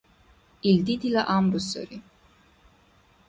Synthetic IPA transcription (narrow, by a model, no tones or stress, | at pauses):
ild̪id̪ilaʔamɾusɔ̰ɾi